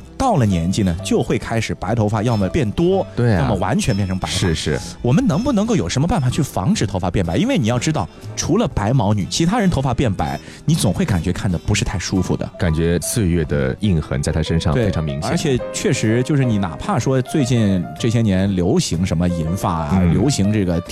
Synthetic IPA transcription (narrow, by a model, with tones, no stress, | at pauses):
t̪ɑ˥˩ʊlə˩njɛ˧˥nt͡ɕi˥˩nə˩t͡ɕjo˥˧ʊxwe˥˩ɪkʰa˥ɪʂɻ̩˨˩pa˧˥ɪt̪ʰo˧˥ʊfa˨˩jɑ˥˩mə˧˩pjɛ˥˩nt̪wɔ˥t̪we˥˩ɪna˥˩mə˨wa̰˧˥nt͡ɕʰɥɛ˧˥npjɛ˥˩nʈ͡ʂʰɤ˧˥ŋpa˧˥ʂɻ̩˥˧ʂɻ̩˥˩wɔ˨˩mə˦nɤ˧˥ŋpu˥˩nɤ˧˥ŋko˥˩jo˨˩ʊʂə˧˥mə˧pa˥˩nfa˨˩t͡ɕʰy˥˩fɑ̰˧˥ŋʈ͡ʂɻ̩˨˩t̪ʰo˧˥ʊfa˨˩pjɛ˥˩npa˧˥ɪi˥nwe˥˩ɪni˨˩jɑ˥˩ʊʈ͡ʂɻ̩˥t̪ɑ˥˩ʊʈ͡ʂʰu˧˥lə˧pa˧˥ɪmɑ˧˥ʊny̰˨˩t͡ɕʰi˧˥t̪ʰa˥ɻə˧˥nt̪ʰo˧˥ʊfa˨˧˥pjɛ˥˩npa̰˧˥ɪ | ni˧˥t͡sʊ˨˩ŋxwe˥˩ka̰˨˩nt͡ɕɥɛ˧˥kʰa˥˩nd̪ə˩pu˧˥ʂɻ̩˥˧t̪ʰa˥˩ɪʂu˥fṵ˨˩d̪ə̰˩ka˨˩nt͡ɕɥɛ˧˥t͡sʰɹ̩˥˧ɥɛ˥˩d̪ə̰˩i˥˩ŋxə̰˧˥ŋt͡sa˥˩t̪ʰa˥ʂə˥nʂɑ̰˥˧ŋt̪we˥˩e˥ɪʈ͡ʂʰɑ˧ŋmḭ˧˥ŋt͡ɕʰə˞˧˥t͡ɕʰjɛ˨˩˦t͡ɕʰɥɛ˥˩ʂɻ̩˧˥t͡ɕjo˥˧ʊʂɻ̩˥˩ni˧˥na̰˨˩pʰa˥˩ʂwɔ˥t͡swe˥˧ɪt͡ɕi˥˧nʈ͡ʂɤ˥˩ɕ̬jɛ˥njɛ˧˥nljo˧˥ʊɕi˧˥ŋʂə˧˥nmə˧i˧˥nfa̰˧˩˧ljo˧˥ʊɕi˧˥ŋʈ͡ʂɤ˥˩ɡə˩